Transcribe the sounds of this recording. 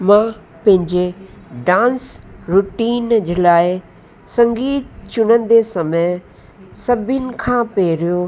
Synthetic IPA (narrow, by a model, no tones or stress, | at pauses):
mã | pɐ̃ɦɪ̃ɲd͡ʑe | ɖãːnsɾuʈiːnd͡ʑʊlaːɪ | sɐ̃ŋɡiːt̪̚t͡ɕʊnə̃n̆d̪esɐme | sɐbʱɪnɪ̆kʰãːpeːɾijo